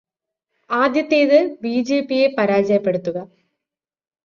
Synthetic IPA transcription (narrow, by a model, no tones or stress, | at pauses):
aːd̪jɐt̪ːeːðɨbiːd͡ʑeːpːije̞pɐɾaːd͡ʑɐjɐpːe̞ɽut̪ːuɣɐ